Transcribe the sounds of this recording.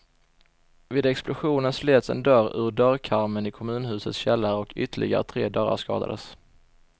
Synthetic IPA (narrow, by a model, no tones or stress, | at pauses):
vɪːd̪ɛksplʊɧuːnənsleːt̪sɛ̰nd̪œɾɵ̰ːɾɖœɾkʰaɾmənɪkʰɔmʉ̟ːnhʉ̟ːsət̪sɕɛlːaɾɔkʰʏt̪əɭʔɪ̰ɡa̰ɾə̰t̪ʰɾḛːd̪œɾa̰ʂkɑ̰ːd̪a̰d̪ə̰s